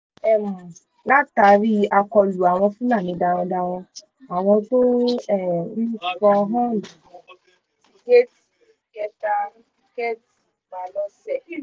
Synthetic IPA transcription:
ɛ˦˨m̩˨ | la˦ta˨˦ɾi˦a˧kɔ˧lu˨a˨w̃ɔ̃˧fũ˦nã˦˨mĩ˨˧da˧w̃ɔ̃˧da˧w̃ɔ̃˧ | a˨w̃ɔ̃˧to˦ɛ˦˨˦kɔ˧ɦã˦lu˨ | i˨je˦ti˦ | kɛ˧ta˦i˦kɛ˦ti˨ba˨lɔ˧sɛ˦˨˦

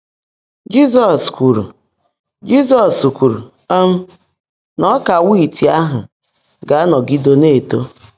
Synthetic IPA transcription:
d͡ʒi˦sɔ˨skʷu˨ɾṵ˨ | d͡ʒi˦sɔ˨skʷu˨ɾṵ˨ | ɔ˦m̩˦ | nɔ˦ka˨wi˦˨ti˨a˦ɦʊ˨ | ɡa˨a˦nɔ˨ɡi˦do˦ne˦˨to˦

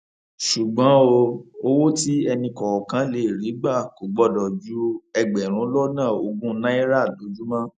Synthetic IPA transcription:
ʃu˨ɡ͡bã˨˦o˧o˦wo˦ti˦ɛ˧nĩ˧kɔ˨wɔ˨kã˨˦le˦˨ɾi˨˦ɡ͡ba˦˨ko˨ɡ͡bɔ˦dɔ˨d͡ʒu˨˦ɛ˧ɡ͡bɛ˨ɾ̃ũ˨˦lɔ˦nãː˦˨o˧ɡũ˦nã˦i˦ɾa˦˨do˨˦d͡ʒu˦mã˦

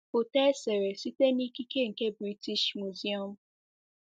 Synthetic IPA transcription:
o˨tɛ˦se˨ɾe˨si˦te˦ni˦ki˦ke˦ŋ̩˨ke˦bɾi˦ti˦ʃmu˨zi˦ɔ˦˨m̩˦

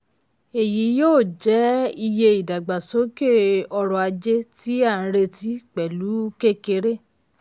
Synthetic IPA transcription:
e˨ji˨˦joː˦˨d͡ʒɛ˨˦i˧je˧i˨da˨ɡ͡ba˨so˨˦ke˦˨ɔ˧ɾɔ˧a˧d͡ʒe˦ti˦ã˦˨˦ɾe˧ti˦k͡pɛ˨lu˨˦ke˦ke˧˦ɾe˦˨

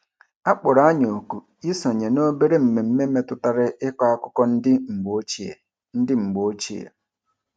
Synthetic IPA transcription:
a˦k͡pʊ˨ɾa˦ɲo˨ku˨ | i˦sɔ˨ɲe˨no˦be˦ɾe˦m̩˨me˨m̩˦me˦me˦tʊ˦ta˦ɾɪ˦ʔɪ˦kʷa˦a˦kʊ˦kɔ˦n̩˦dɪ˦ŋ͡m̩˨ɡ͡bo˦t͡ʃḛ˨ | n̩˦dɪ˦ŋ͡m̩˨ɡ͡bo˦t͡ʃi˦ḛ˨

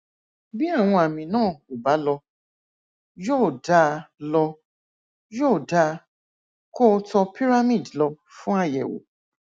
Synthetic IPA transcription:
bi˦a˦˨w̃ɔ̃˧a˨mĩ˧nãː˦˨o˨ba˨˦lɔ˧ | jo˦˨da˧˦˧lɔ˧ | jo˦˨da˧ | ko˦tɔ˧pi˦ɾa˦mĩ˦˨dlɔ˧ | fũ˦a˦˨jɛ̰˨wo̰˨

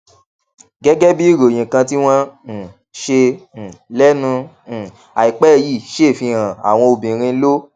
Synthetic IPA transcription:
ɡɛ˦ɡɛ˦bi˦i˦˨ɾõ˨ĩ˨kã˧t̬i˦w̃ɔ̃˦n̩˨ | ʃẽ˧˨lɛ˦nũ˧˨ | a˨i˨k͡pɛ˦ji˦˨ʃe˦˨fĩ˧ã˨a̰˨w̃ɔ̃˧o˧bĩ˨ɾ̃ĩ˧˦lo˦

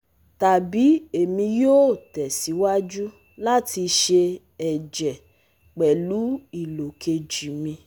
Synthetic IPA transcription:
ta˨bi˨˦e˨mĩ˧joː˦˨tɛ˨si˨˦wa˦d͡ʒu˦ | la˦ti˧ʃe˧ | ɛ˨d͡ʒɛ˨ | k͡pɛ˨lu˨˦i˨lo˨kʰe˧d͡ʒi˨mĩ˧

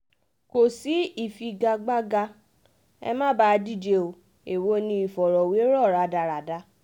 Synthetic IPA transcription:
ko˨si˨˦i˦˨fi˧ɡa˧ɡ͡ba˦ɡa˧ | ɛ̰˧mã˦˨ba˦˧di˦˨d͡ʒe˧o˧ | e˨wo˧˦nĩ˧i˨fɔ˨ɾɔ˨we˨˦ɾɔ˦˨ɾa˨˧da˨˧ɾa˨da˦

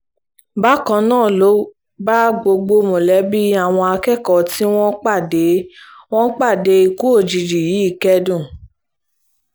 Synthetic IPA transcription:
ba˦kɔ̃˧nãː˦˨lo˨˦ | ba˦ɡ͡bo˧ɡ͡bo˧mõ˨lɛ˨˦bi˦a˦˨w̃ɔ̃˧a˧kɛ˦˨kɔ˨ti˦w̃ɔ̃˦k͡pa˦˨de˨˦w̃ɔ̃˦k͡pa˦˨de˨˧˦i˨˧ku˦o˦˨d͡ʒi˨d͡ʒi˨ji˨˦i˦˨kɛ˧dũ˦˨

